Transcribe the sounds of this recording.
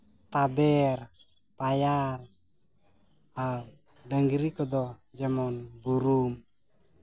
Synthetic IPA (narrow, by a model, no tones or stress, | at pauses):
t̪abɛr | pajar | a | daŋɡiɾikɔd̪ɔd͡ʒamɔnbuɾum